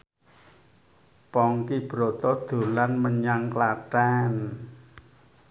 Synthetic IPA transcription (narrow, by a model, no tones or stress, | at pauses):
pɔŋkib̥ɾo̤t̪ɔd̪̥o̤lanməɲaŋklaʈɛn